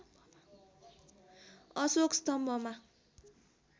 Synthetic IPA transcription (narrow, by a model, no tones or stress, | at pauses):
ɔsokstɔm̩bɔma